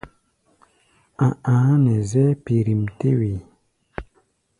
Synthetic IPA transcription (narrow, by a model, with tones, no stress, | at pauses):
ã˨ãː˨˦nɛ˨zɛ˦pi˨ɾi˨m˨te˦we˨